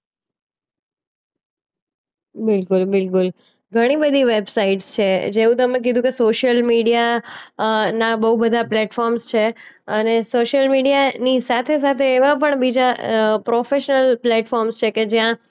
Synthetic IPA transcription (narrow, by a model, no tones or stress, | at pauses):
bɪlkʊlbɪlkʊl | ɡʱəɽ̃ibəd̪ʱiʋebsaiʈst͡ʃʰed͡ʒeũt̪əmẽk̬id̪ʱũkesoʃəlmiɽija | nabəɦubəd̪ʱaplɛʈfɔɾmst͡ʃʰe | ənesoʃjəlmiɖijanisat̪ʰes̬at̪ʰeːʋãp̬əɳbid͡ʒapɾofeʃnəlplɛʈfɔɾmst͡ʃʰeked͡ʒjã